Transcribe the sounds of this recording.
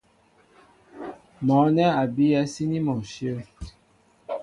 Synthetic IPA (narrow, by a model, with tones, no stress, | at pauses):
mɔ̃˨˦nɛ˦a˨bi˦jɛ˦si˦nĩ˦mɔ̃˨ʃjə˦